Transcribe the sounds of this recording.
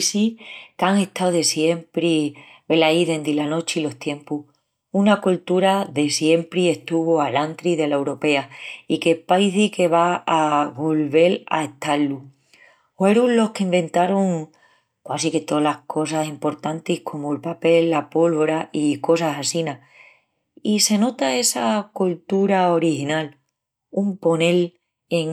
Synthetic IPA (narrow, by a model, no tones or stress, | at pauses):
sikaŋe̞ht̪awðe̞sje̞mpɾiβe̞laiðe̞nd̪ilano̞t͡ʃilo̞ht̪je̞mpuh | unakult̪uɾaðe̞sje̞mpɾie̞st̪uβoalant̪ɾiðe̞laewɾo̞pe̞aike̞paiθike̞βaːβo̞lβe̞la̰eht̪alːu | eɾulo̞hkeimbẽ̞nt̪aɾoŋ | kwasiket̪o̞lahkʰo̞sasimpo̞ɾt̪ant̪ihkʰo̞moelpape̞lːapo̞lβo̞ɾaʔiko̞sasasina | ise̞no̞t̪ae̞sakult̪uɾao̞ɾihinal | umpo̞ne̞l | eŋ